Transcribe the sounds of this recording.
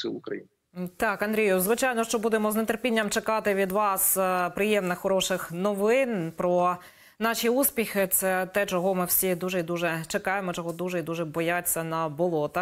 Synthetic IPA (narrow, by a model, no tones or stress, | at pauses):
sɪlˠʊkɾɐ̰jḭn | t̪ɑkɐnd̪ɾʲijʊzʋɪt͡ʃɑjnɔʃt͡ʃɔbud̪emɔznet̪erpʲinʲːɐmt͡ʃekɑt̪ɪʋʲid̪ʋɑspɾɪjɛmnɪxːɔɾɔʃɪxnɔʋɪnpɾɔ | nɑʃiuspʲixɪt̪sɛt̪ɛt͡ʃɔɦɔmɪwsʲid̪uʒɛid̪uʒɛt͡ʃekɑjemɔt͡ʃɔɦɔd̪uʒɛid̪uʒɛbɔjat͡sʲːɐnɐbɔlˠɔt̪